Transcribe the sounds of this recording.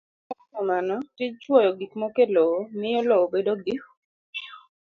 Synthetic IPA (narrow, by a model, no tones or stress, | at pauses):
ɛɔmanɔtit͡ʃwɔjɔɡikmɔkeloomɪɔloobedoɡik